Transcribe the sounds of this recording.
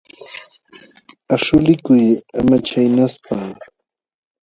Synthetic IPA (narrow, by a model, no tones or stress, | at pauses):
aʃʊlɪkʊjamat͡ʃajnaspaː